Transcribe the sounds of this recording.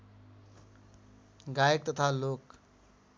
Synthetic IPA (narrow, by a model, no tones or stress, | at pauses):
ɡajək̚t̪ʌt̪ʰalok